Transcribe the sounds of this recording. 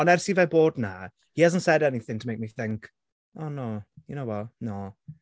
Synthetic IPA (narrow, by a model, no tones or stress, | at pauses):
ɔ̃nɛrsivaboːdna | hihazəntsɛdɛniθɪ̃ŋtʰəmeɪk̚miθɪ̃ŋk | oːnoːjənowɛlnoː